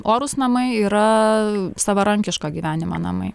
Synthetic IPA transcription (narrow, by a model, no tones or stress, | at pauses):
oːɾʊsnɐmɐɪiːɾɐ | sɑʋɐɾɐŋʲkʲɪʃkoːɡʲiːʋʲæːnʲɪmo̰nɐ̰mɐ̰ɪ